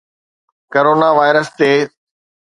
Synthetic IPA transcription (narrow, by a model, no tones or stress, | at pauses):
koɾoːnaʋaːɪɾəst̪eː